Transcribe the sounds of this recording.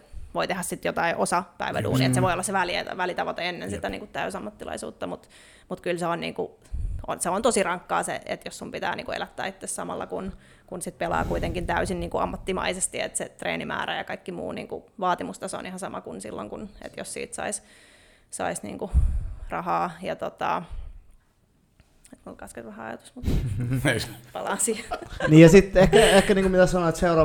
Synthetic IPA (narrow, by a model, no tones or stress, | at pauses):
ʋoit̪ehæssit̪jot̪ɑiʔosɑpæiʋæ̰dṵːniet̪seʋoiolːɑseʋælieʋælit̪ɑʋot̪eenːensit̪ːæniːŋkut̪tæysɑmːɑt̪ːilɑ̰isṵːt̪ːɑmut̪ | mut̪kylseonnḭːŋku | onseont̪osirɑŋkːɑ̰ːsḛʔḛt̪jossumpit̪æ̰ːniːŋkuḛlæt̪ːæ̰ːit̪ːessɑmɑ̰lːɑ̰kun | kunsit̪̚pelɑ̰ːkuit̪eŋkint̪æysinniːŋkuɑmːɑt̪ːimɑ̰isest̪iḛt̪set̪rḛːnimæ̰ːɾæjɑkɑikːimṵːnḭːŋkuʋɑːt̪imust̪ɑso̰nihɑnsɑmɑkunsḭlːo̰ŋkunḛt̪jossḭːt̪sɑ̰is | sɑ̰isnḭːŋkurɑhɑːjɑt̪ot̪ɑ̰ | et̪kukɑsket̪ʋæhæɑjɑ̰t̪u̥smut̪ | pɑlɑsiɑniːjɑsit̪ehkːæehkːæniːŋkumit̪æsɑnoet̪seurɑ